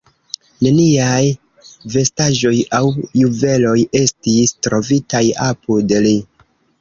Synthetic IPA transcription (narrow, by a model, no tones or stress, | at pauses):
ne̞niaj | ve̞staʒo̞jawjuve̞lo̞je̞stistɾo̞vitajapudeli